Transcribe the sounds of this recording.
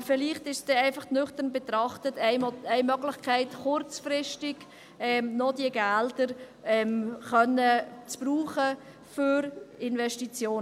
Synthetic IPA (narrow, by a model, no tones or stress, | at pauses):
fɪliːχtɪʃsd̥ɛɛɪfɑχtnʏχtəɾnbɛtrɑχtətʰɛɪmœɡlɪχkʰɛɪtχʊrt͡sfrɪʃtɪɡ̥ | ɛmnɔd̥iəɡɛldəɾ | ɛmχœnət͡sb̥ruːχə | fʏɾɪnvɛʃtit͡sjoː